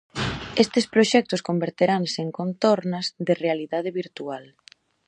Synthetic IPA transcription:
est̪ɪspɾoʃɛk̚t̪ʊskombeɾt̪eɾaŋseeŋkont̪oɾnɐzðɪrealiðaðɪβiɾt̪ual

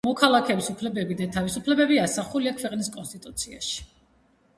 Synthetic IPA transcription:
mɔkʰalˠakʰɛːbisupʰlɛbɛbid̪at̪ʰavisupʰlɛbɛbiasaχuliakʰvɛqʼniskʼɔnst̪ʼit̪ʼut̪sʰia̰ʃi̥

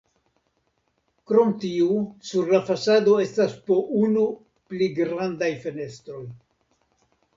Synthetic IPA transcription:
kɾo̞mtiusuɾlafasado̞e̞staspo̞ʔunu | pliɡɾandajfe̞ne̞stɾo̞j

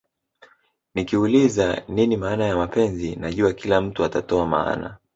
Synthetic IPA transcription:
nikiulizaninimaːnajamapɛnzinaʄuakilam̩tuatatɔama̰a̰na̰

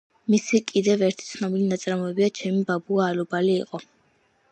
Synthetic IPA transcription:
misikʼid̪ɛvɛɾt̪ʰi̥t̪sʰnɔbilinat̪sʼɾamɔɛbiat͡ʃʰɛmibabuaːlɔbalḭːqʼɔ

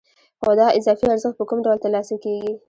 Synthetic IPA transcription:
xod̪ɑʔɪzɑfiaɾzəxt̪̚pəkumɖawlt̪alɑsakeɡi

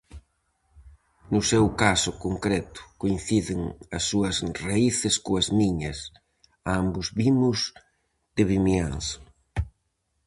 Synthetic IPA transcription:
nʊsewkasʊkoŋkɾɛt̪ʊ̥koin̟θiðɪŋɐsːuɐsraiθɪskʊɐzmiɲɐs | ambʊzβimʊz | d̪ɪβimjans

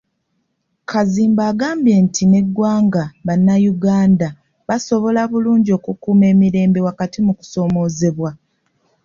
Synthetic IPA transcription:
kʰaziːmbaːɡaːmbje̞ːntʰine̞ɡːwaːŋɡaβanːajuɡaːnda | βaso̞βo̞laβuluːɲɟio̞ːkukuːme̞ːmiɾe̞ːmbe̞wakatimuku̥so̞ːmo̞ːze̞βwa

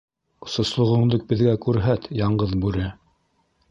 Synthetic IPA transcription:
ŏsŏslˠŏʁɤ̆ɴd̪ɤk̚bɘ̆ðɡækʉɾɦæt̪jɑɴɢɤðbʉɾɘ

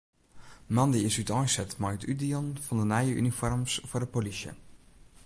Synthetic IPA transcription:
mɑndiɪsytɔjsɛtmajətydiɔnfɔndənajəʔy̰nifɔrmsfʊɹdəpolisjə̰

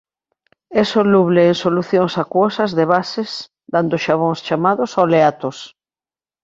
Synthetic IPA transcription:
ɛsoluβleːŋsoluθjõŋsakwɔsɐzðeβasɪs | d̪and̪ʊʃaβ̞õŋst͡ʃamaðʊsawleat̪os

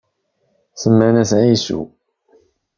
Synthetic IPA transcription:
səmːənæsʕisṵ

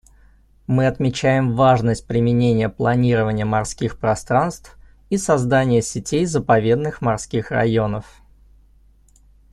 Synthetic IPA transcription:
mɨɐt̪mʲɪt͡ɕæjɪmvaʐnəsʲt̚ʲpɾʲɪmʲɪnʲenʲɪjəplˠɐnʲiɾəvənʲɪjəmɐrskʲixpɾɐst̪ɾanst̪f | isɐzd̪anʲɪjəsʲɪtʲʰejzəpɐvʲe̞d̪nɨxmɐrskʲixrɐ̰jo̞nəf

